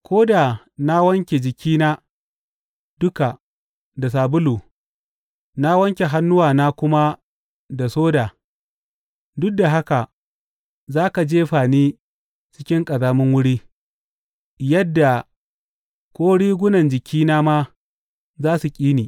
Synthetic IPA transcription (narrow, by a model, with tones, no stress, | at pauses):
kʷʰoː˦da˨ | na˦wɐ˦ŋkʲe˨d͡ʒɪ˨kʲiː˦naː˦ | dʊ˦ka˨ | da˨s̬aː˨bʊ˦lu˨ | na˦wɐ˦ŋkʲe˨ɦa˦nːʊ˦waː˨naː˦kʷʊ˦ma˦ | da˨soː˦daː˨ | dʊ˦k̚da˨ɦa˦ka˨ | zaː˦ka˨d͡ʒeː˦ɸaː˨niː˦ | t͡ʃɪ̥˦kʲɪ˦ŋkʼɐ˨zaː˦mɪ˦ŋwʊ˦ɽiː˦ | jɐ˦dːa˨ | kʷʼoː˦ɽiː˦ɡʷʊ˦nɐ˨nd͡ʒɪ˨kʲʰiː˦naː˦maː˦ | zaː˦su˨kʲʼiː˦niː˨